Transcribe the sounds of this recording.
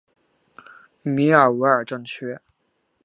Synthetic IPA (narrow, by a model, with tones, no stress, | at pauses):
mi˧˥ə˞˨˩we˧˥ɪə˞˨˩ʈ͡ʂɤ˥˧ŋt͡ɕʰɥɛ˥